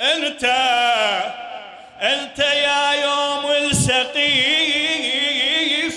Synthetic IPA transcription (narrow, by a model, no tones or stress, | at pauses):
ʔɪnt̪a | ʔɪnt̪ajajoːmɪlsaqiː